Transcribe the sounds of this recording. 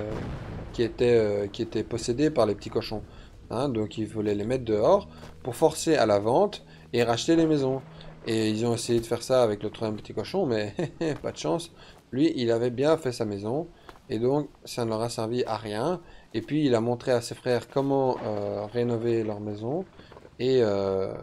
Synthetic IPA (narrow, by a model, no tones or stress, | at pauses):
økʲiet̪ɛøkʲiet̪ɛpɔsed̪epaʁlepət̪ikɔʃɔ̃ | ɛ̃d̪ɔ̃kilvulɛlemɛt̪χd̪əɔːʁpuʁfɔʁsealavɑ̃t̪ | eʁaʃt̪elemɛzɔ̃eilzɔ̃esejed̪əfɛʁsaːvɛklət̪ʰχwazjɛmpə̥t̪ikɔʃɔ̃mɛpa̰d̪əʃɑ̃s | lɥiʔilavɛbjɛ̃fɛsamɛzɔ̃ | ed̪ɔ̃ksanəlɔʁasɛʁviʔaʁjɛ̃epɥiːlamɔ̃t̪χeasefχɛːʁkɔmɑ̃øʁenɔvelœʁmezɔ̃eø